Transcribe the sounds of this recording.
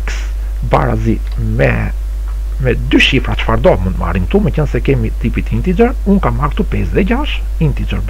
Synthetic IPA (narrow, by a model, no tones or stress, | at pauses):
ks | ba̰ɾa̰zi | mɛ̰ | mɛd̪yʃifɾat͡ʃfaɾd̪ɔmũnt̪ma̰ɾinmt̪umɛcənsɛkɛmit̪ipit̪int̪id͡ʒɛɾunkamaɾkt̪upɛsðɛɟaʃ | int̪id͡ʒəɾb